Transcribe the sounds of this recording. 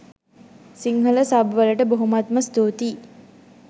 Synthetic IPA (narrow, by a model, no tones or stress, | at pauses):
siŋɦɐləsabʋɐləʈəboɦumat̪məst̪uːt̪iː